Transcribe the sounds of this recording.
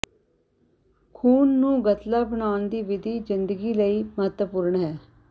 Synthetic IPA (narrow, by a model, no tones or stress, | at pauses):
kʰuːnːũːɡət̪laːbəɳaːʊnd̪iːʋɪd̪iːzɪnd̪əɡiːləiːməɦət̪əpʊɾəɳɦɛː